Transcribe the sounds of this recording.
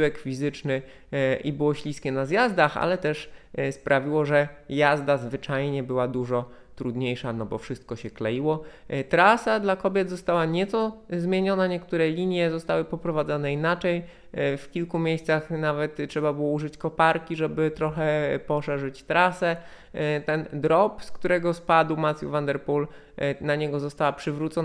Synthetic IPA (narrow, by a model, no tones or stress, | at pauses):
ɛkfʲizɘt͡ʂnɘ | ʔibɘwɔɕlʲiskʲɛnazjazd̪axa̰lɛt̪ɛʂspɾʔavʲiwɔʐɛjazd̪azvɘt͡ʂajɲɛbɘwad̪uʐɔ | t̪ɾud̪ɲejʂanɔbɔfʂɘst̪̚kɔɕɛklɛjiwɔt̪ɾasad̪lakɔbʲjɛd̪zɔst̪awaɲɛt̪sɔzmʲjeɲɔnaɲɛkt̪uɾɛlʲiɲjɛzɔst̪awɘpɔpɾɔvad̪zɔnɛinat͡ʂɛj | fkʲilkumʲjejst̪saxnavɛt̪ʂɛbabɘwɔuʐɘt͡ɕkɔpaɾkʲiʐɛbɘt̪ɾɔxɛpɔʂɛʐɘt͡ɕt̪ɾasɛ | t̪ɛnd̪ɾɔpskt̪uɾɛɡɔspad̪wmat̪sʲjṵvand̪ɛɾpul | naɲɛɡɔzɔst̪awapʂɘvɾut̪sɔ